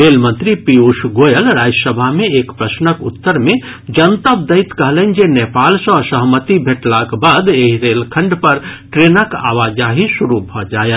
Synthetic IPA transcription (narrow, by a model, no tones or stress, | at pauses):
ɾeːlmə̃nt̪ɾipiuʃɡoːjəlɾaːd͡ʒəsəbʱaɦmẽeːkpɾəsnəkʊt̪ːəɾmẽ | d͡ʒɐnt̪əb̚d̪əit̪kəɦlend͡ʒenepaːlsə̃səɦmət̪ibʱeʈlakbaːd̪eɦiɾeːlkʰə̃ɳɖpɐɾʈɾeːnəka̰ːʋaːd͡ʒaɦiʃuɾubʱɔd͡ʒaːjət̪